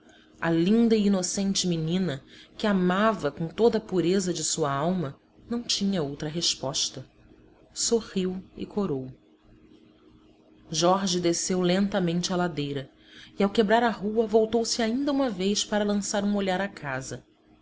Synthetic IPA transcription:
ɐlĩnd̪ɐiinosẽnt͡ʃɪminĩnɐkɪamavɐkõt̪od̪ɐːpuɾezɐd͡ʒɪsuɐawmɐ | nɐ̃w̃t͡ʃĩɲɐowt̪ɾɐɦeʃpɔʃt̪ɐ | soʁiwɪ̰kʰoɾow | ʒɔɾʒɪd̪esewlẽnt̪ɐmẽnt͡ʃɪɐlad̪ejɾɐ | iawkebɾaɾɐɦuɐvowt̪owsɪaĩnd̪ɐũmɐvejʃpaɾɐlɐ̃saɾũoʎaɾɐkʰazɐ

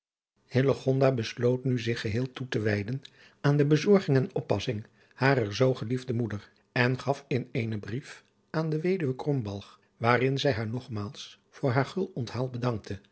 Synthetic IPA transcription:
hɪləχɔndaːbəslowtnyzɪχəɦɪːlˠtutəʋɛjdən | aːndəbəzɔɹχɪŋɛnɔpːɑ̰sɪŋ | haːrəɹzowχəlivdəmudər | ɛnχɑfɪnejnəbrif | aːndəʋejdyʋəkrɔmbɑlˠχ | ʋaːrɪnzɛjɦaːɹnɔχmaːlˠs | fʊːɹɦaːɹχɵlˠɔntɦaːlˠbədɑŋk̚tʰə

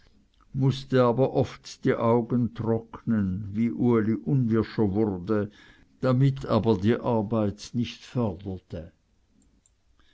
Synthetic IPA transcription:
mʊstəaːbɐʔɔftd̥iːʔaʊɡəntʁ̥ɔknənviːʔuəliʔʊnvɪʃɐvʊʁdə | d̥amɪtʰaːbɐdiːʔaɐbaɪtnɪçtfœɐdɐtʰə

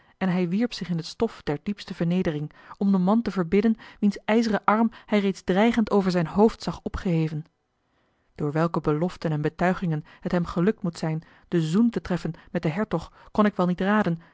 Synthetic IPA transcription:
ɛnɦɛjʋiɹpsɪχɪnɦətstɔfd̥ɛɹdipstəvəɹnejdərɪŋɔmdəmɑntəvəɹbɪdənʋinsɛjzərəʔɑɹmhɛjrejtzdrɛjχəntowvəɹzɛjnɦowftsɑχɔpχəɦejvən | d̥ʊːɹʋɛlˠkəbəlɔftənɛnbətœɥχɪŋənɦətɦɛmχəlɵk̚tmutsɛjn | d̥əzuntətrɛfənmɛt̚dəɦɛɹtɔχkɔnɪkʋɛlˠnitraːdən

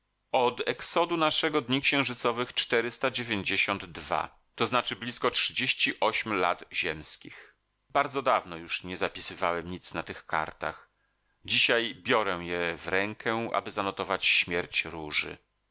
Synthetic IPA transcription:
ɔd̪ɛksɔd̪unaʂɛɡɔd̪ɲikɕɛ̃w̃ʐɘt̪sɔvɘxt͡ʂt̪ɛɾɘst̪ad͡ʑevʲjeɲd͡ʑeɕɔnd̪ːva̰ | t̪ɔznat͡ʂɘblʲiskɔtʂɘd͡ʑeɕt͡ɕiʔɔɕmla̰d̪ʑɛmskʲix | baɾd̪zɔd̪avnɔjuʂɲɛzapʲisɘvawɛmɲit̪snat̪ɘxka̰ɾt̪a̰x | d͡ʑiɕajbʲjɔɾɛw̃jɛvɾɛŋkʰɛʔa̰bɘzanɔt̪ɔvat͡ɕɕmʲjɛɾt͡ɕɾuʐɘ̰

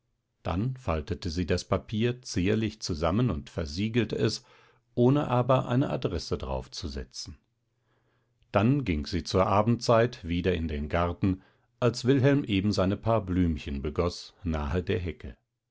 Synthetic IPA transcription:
d̥a̰nfaltətəziːdaspapʰiːɐt͡siːɐlɪçt͡suzamənʊntfɛɐziːɡl̩təɛs | ʔoːnəʔaːbɐʔa̰ɪnəʔa̰dʁɛsədʁa̰ʊft͡suzɛ̰t͡sn̩ | d̥anɡɪŋkz̥iːt͡suːɐʔaːbm̩tt͡saɪtv̥iːdɐɪndeːnɡaʁtn̩ | ʔalsv̥ɪlɦɛlmʔeːbm̩zaɪnəpʰaːɐblyːmçənbəɡɔsnaːədeːɐɦɛkʰə

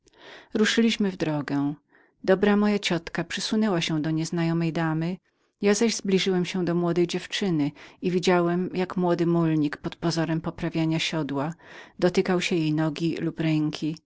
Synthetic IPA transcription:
ɾuʂɘlʲiɕmɘvd̪ɾɔɡɛ̃ | d̪ɔbɾamɔjat͡ɕɔt̪kapʂɘsunɛwaɕɛ̃d̪ɔɲɛznajɔmɛjd̪amɘ | jazaʑzblʲiʐɘwɛmɕɛd̪ɔmwɔd̪ɛjd͡ʑɛft͡ʂɘnɘivʲid͡ʑawɛmjakmwɔd̪ɘmulɲikpɔt̪pɔzɔɾɛmpɔpɾavʲjaɲaɕɔd̪wad̪ɔt̪ɘkawɕɛjejnɔɡʲilupɾɛŋkʲʰi

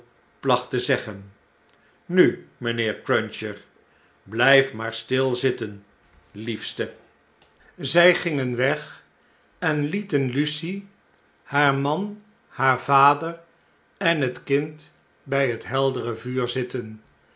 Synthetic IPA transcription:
plɑχtəzɛχən | nymənɪːɹkɹœnʃəɹ | blɛjfmaːɹstɪlˠzɪtən | lifstə | zɛjχɪŋənʋɛχ | ɛnlitənlysi | haːɹmɑn | haːɹv̥aːdəɹ | ɛnɦətkɪnt | bɛjɦətɦɛlˠdərəvyːɹzɪtən

